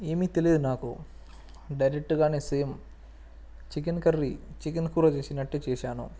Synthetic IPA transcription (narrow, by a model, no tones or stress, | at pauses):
eːmit̪eliid̪unaːku | ɖɐjɾek̚ʈuɡaːniseːm | t͡ʃik̬inkɐrːit͡ʃikinkuːɾɐt͡ʃeːsinɐʈːet͡ʃeːʃaːnṵ